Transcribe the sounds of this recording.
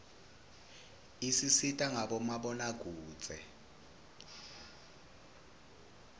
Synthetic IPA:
isisitʼaŋʱaɓɔmaɓɔnaɡ̥ʱu̥ːt͡sʼɛ

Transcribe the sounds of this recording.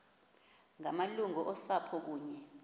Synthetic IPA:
ŋamaluŋɔʔɔsapʰɔk̬uːɲɛ

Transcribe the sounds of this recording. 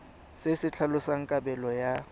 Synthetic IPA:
sɪsɪt͡ɬʰalʊsaŋ̩kʼabɛlɔja

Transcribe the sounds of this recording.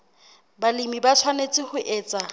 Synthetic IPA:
balimibat͡sʰwanet͡sʼɪhʊʔɛːt͡sʼa

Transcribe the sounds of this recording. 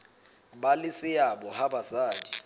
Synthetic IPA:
balɪsɪabɔhabazaːdi

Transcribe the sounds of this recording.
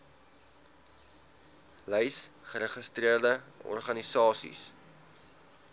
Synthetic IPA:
lɛjsχəɾəχəstriərdəɔ̰rχɐnisɑːsḭs

